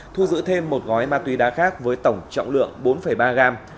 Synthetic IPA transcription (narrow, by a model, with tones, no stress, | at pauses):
t̪ʰu˧zɨ̰˧˥t̪ʰe˧mːo˨˩t̚ŋɔ˨˦jmaː˧t̪wi˨˦ɗaː˨˦xaː˦˥k̚vəː˨˦jt̪ə˧˩wŋ͡mt͡ɕɔ̰˧˨wŋ͡mlɨ̰˧˨əŋɓo˨˦nfə˧˩jɓaː˧ɣaː˧m